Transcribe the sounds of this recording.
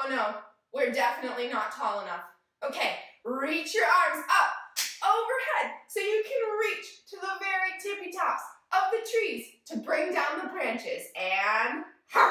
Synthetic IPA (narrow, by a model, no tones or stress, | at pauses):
noʊ | wɪɹdɛfɨnɨtˡlinətʰɔlˠənʌf | oʊkʰeɪɹit͡ʃjə˞ʔɑɹmzʌp̚oʊvə˞hɛd̥̚soʊjɨkʰɨ̃nɹit͡ʃtʰɨðoʊvɛɹitʰɪpitʰɑpsʌp̚ðɨtʰɹ̥iz̥tʰɨbɹɪ̃ŋdãʊ̃nðəbɹæ̃nt͡ʃɪzɨ̃nh